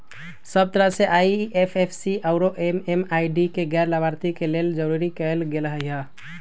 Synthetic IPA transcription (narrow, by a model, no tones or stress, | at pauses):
səb̚t̪əɾəɦseʔaiepʰepʰsiʔaʊɾoʔememaiɖikeɡɛɾlabaɾt̪ikeleld͡ʒəɾuɾikəlɡelɦəɦə